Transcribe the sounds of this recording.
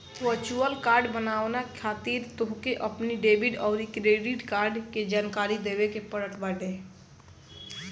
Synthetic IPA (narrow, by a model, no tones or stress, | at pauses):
ʋəɾt͡ʃuəlkaːɾɖbənaːʋnakʰaːt̪iɾt̪oɦkeʔəpniɖeːbiɖɔːɾikɾeɖiʈkaːɾɖked͡ʒaːnkaːɾid̪ebekepəɾəʈbaɖe